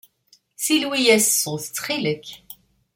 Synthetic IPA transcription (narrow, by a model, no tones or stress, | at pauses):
silwijæssːʊθə̥t͡sːχiləkː